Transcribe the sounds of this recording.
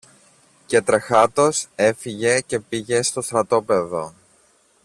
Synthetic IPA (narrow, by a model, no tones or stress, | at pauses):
ce̞t̪ɾexɐt̪o̞se̞fiʝe̞ce̞piʝe̞st̪o̞st̪ɾɐt̪o̞pe̞ðo̞̰